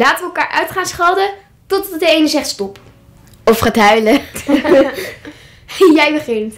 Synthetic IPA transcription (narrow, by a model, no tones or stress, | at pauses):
laːtəʋəːlˠkaːɹʔœ̰ɥtχaːnsχɑlˠdə | tɔtɑtədəejnəzɛχtstɔp | ɔfχaːtɦœɥlə | jɛjbəχɪnt